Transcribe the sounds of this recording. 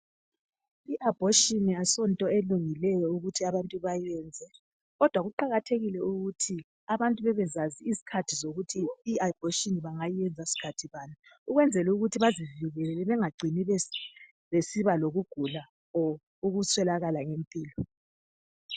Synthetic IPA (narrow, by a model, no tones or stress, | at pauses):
iʔab̥ʱoʃiniasɔntʼɔeluŋilɛjɔuɣutʰiaβantʼuβajɛnd͡zʱɛ | ɣɔd̥ʱwaɣuǃaɣatʰeɣilɛuɣutʰi | aβantʼuβɛβɛzaziisi̥kʰatʰizoɣutʰiːʔab̥ʱoʃiniβaŋajiɛnd͡zʱasi̥kʰatʰiβaːna | uɣwɛnd͡zʱɛluɣutʰiβaziviɣɛlɛlɛβɛŋaɡ͡ǀʱiniβɛ | βesiβaloɣuɡ̥ʱula | ɔ | uɣusʰwɛlaɣalaŋempʼiːlɔ